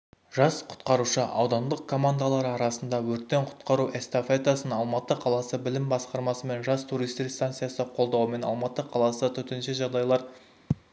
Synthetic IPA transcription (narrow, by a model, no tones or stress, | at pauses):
ʒ̥ɑsqʰʊ̥t̪qɑɾuʃəʔɑ̰wd̪ɑnd̪əq̚kʰo̞mand̪alˠɑɾɑɾɑsənd̪ɑwɵɾt̪ːeɴqʰʊ̥t̪qɑɾuʔest̪ofet̪asənɑlˠmɑt̪əqʰɑlˠɑsəbɪlɪmbɑsqɑɾmɑsəme̞nʒɑst̪ʰuɾijst̪ist̪ant̪sɨjasəqʰo̞lˠd̪ɑwəme̞nɑ̰lˠmɑt̪əqʰɑlˠɑsət̪ʰʏt̪ɪnʃeʒɑʁd̪ɑjlˠɑɾ